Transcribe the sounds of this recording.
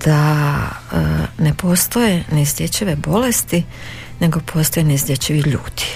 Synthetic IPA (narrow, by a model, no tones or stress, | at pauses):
d̪̥a | ne̞po̞ːst̪o̞je̞nezd̪ʲje̞t͡ɕiʋe̞bo̞le̞st̪i | ne̞ɡo̞pʰo̞ːst̪ojenezd̪ʲjet͡ɕiʋiʎṵːd̪̥i̥